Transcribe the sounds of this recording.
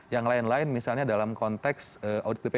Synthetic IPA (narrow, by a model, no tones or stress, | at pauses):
jaŋlaɪnlaɪnmisalɲadalamkɔnt̪ɛksəʔawdit̪̚lipe